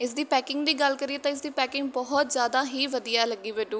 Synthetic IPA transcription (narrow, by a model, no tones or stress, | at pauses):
ɪsd̪iːpɛːkɪ̃ŋɡd̪iːɡəlkəɾiːeːt̪ãːɪs̬d̪iːpɛːkɪ̃ŋɡ̚bɔɦɔt̪zjaːd̪aːɦiːʋəd̪ijaːɛləɡiːʋeːɖũː